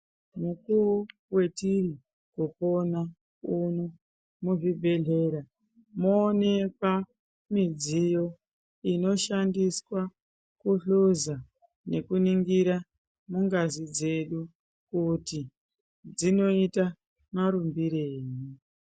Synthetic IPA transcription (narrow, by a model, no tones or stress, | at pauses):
mukuu | we̞tiri | kopo̞na | uno | muʐibʱe̞ɮe̞ɾa | moːne̞kwa | mid͡zijo̞ | ino̞ʃandiswa | kuɬuza | ne̞kuniŋɡiɾa | muŋɡazid͡ze̞ɗu | kuti | d͡zino̞ita | maɾumbiɾeːɲi